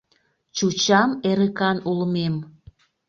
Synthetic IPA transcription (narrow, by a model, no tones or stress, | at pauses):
t͡ɕut͡ɕɑmeɾəkɑnulmem